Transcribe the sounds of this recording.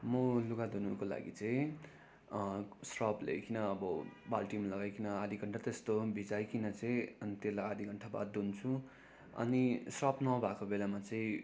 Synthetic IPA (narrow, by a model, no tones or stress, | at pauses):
mʌluɡad̪unukola̰ɡit͡sʌĩ | srʌplḛkinʌːbʌbalʈimalʌɡajkinʌad̪ʱiɡʱʌɳʈʰat̪est̪obʱid͡zajkinʌt͡sʌĩʌnit̪elajad̪ʱiɡʱʌɳʈʰaba̰d̪unt͡sʰu | ʌ̰nisrʌpnʌbʱakobelamat͡sʌĩ